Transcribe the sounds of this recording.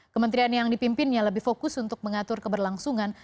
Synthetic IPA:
kəmənt̪ɾianjaŋdipimpɪnjaləbɪhfokʊsunt̪ʊk̚məŋat̪ʊrkəbərlaŋsuŋan

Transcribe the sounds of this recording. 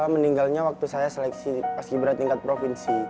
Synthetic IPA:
aməniŋɡalɲawak̚t̪usajaselɛksipaskibəɾat̪iŋkat̪̚pɾofinsi

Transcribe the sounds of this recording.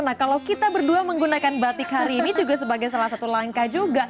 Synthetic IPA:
nakalawkit̪abərduaməŋɡunakanbat̪ɪkɦaɾiːnid͡ʒuɡas̬əbaɡajsalahsat̪ulaŋkad͡ʒuɡaʔ

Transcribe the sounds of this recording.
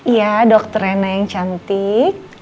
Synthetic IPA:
jadɔk̚t̪əɾɛnajaŋt͡ʃant̪ɪk̚

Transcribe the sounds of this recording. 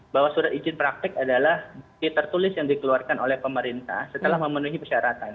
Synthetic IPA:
bawasuɾat̪id͡ʒɪnpɾak̚t̪ɪkadalahp̪it̪ərt̪ulɪsjaŋdikəluarkanolɛhpəməɾint̪a̰hsət̪əlahməmənuɦipəʃaɾat̪an

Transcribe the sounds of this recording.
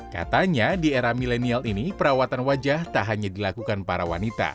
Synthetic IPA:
ka̰t̪aɲadieɾamilɛnialinipəɾawat̪anwad͡ʒaht̪aʔɦaɲadilakukanpaɾawa̰nit̪a̰

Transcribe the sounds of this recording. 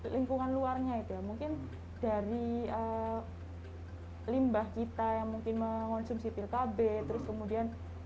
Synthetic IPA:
liŋkuŋanluarɲait̪ujamuŋkɪn | d̥aɾiə | limbahkit̪ajaŋmuŋkɪnməŋɔnsumsipɪlkabɛt̪əɾʊskəmudian

